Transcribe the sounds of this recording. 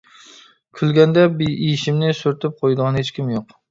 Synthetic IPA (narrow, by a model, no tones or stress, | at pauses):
kʲʰʊlˠɡʲand̪abɪiɪʃɪmnɪsʊɾt̪ʰɪp̚qʰojd̪ʁɑnhet͡ʃkʲɪmjoq